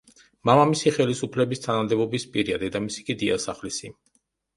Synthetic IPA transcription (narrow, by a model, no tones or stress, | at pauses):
mamamisiχɛlisupʰlɛbist̪ʰanamd̪ɛbɔbispʼiɾiad̪ɛd̪amisi̥kʼid̪ia̰saχlisi